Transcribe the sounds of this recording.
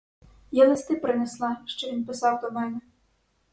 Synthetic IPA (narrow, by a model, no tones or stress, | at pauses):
jalˠɪst̪ɪpɾɪneslˠɑʃt͡ʃɔʋinpɪsɑwd̪ɔmɛnɛ